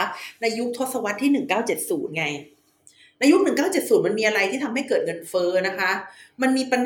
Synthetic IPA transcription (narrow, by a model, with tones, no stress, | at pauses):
na˧jːu˦˥k̚t̪ʰo˦˥t̪̚sa˧wa˦˥t̪ʰːiː˥˩nɯ˨˩ŋkaː˥˩wt͡ɕe˨˩t̪̚suː˩˦nŋa˧j | na˧ju˦˥k̚nɯ˨˩ŋkaː˥˩wt͡ɕe˨˩t̪̚suː˨˩˦nma˧nmiː˧ʔa˧ɾa˧jt̪ʰiː˥˩t̪ʰa˧mha˥˩jkɤː˨˩t̪̚ŋɤ˧nfɤː˦˥na˦˥kʰa˦˥ʔma˧nmiː˧pa˧n